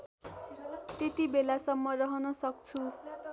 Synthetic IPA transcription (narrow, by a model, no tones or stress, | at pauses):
t̪et̪ibelasʌmːʌrʌɦʌnʌsʌk̚t͡sʰu